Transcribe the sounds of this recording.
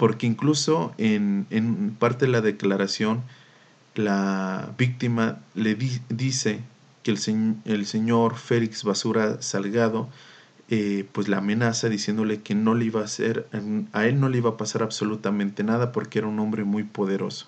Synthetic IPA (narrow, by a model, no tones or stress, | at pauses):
po̞ɾke̞iŋkluso̞enenpaɾt̪e̞ðelaðe̞klaɾasjo̞n | laβik̚t̪imaleiðise̞ | keseelse̞ɲo̞ɾfe̞likz̥βasuɾasalɣaðo̞ | epwe̞zleamẽ̞nasaðisjend̪ole̞ke̞no̞leiβasḛɾae̞lno̞leiβapasaɾaβso̞lut̪amẽnt̪e̞naðapo̞ɾkeeɾaunõ̞mbɾe̞mujpo̞ðe̞ɾo̞̰so̥